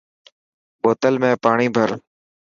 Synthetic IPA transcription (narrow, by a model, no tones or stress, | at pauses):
ɓoːt̪əlmẽːpaːɳiːbʱəɾ